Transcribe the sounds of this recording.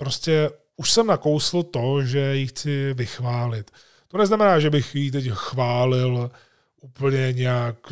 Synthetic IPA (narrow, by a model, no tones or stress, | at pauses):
pɾo̞scɛ | uʃsɛmnakowsɪl̩t̪o̞ʒɛjixt͡sɪvɪxvaːlɪt̪ | t̪o̞nɛznamɛnaːʒɛbɪxjit̪̬ɛcxvaːlɪl | ʔuːpl̩ɲɛɲɛjak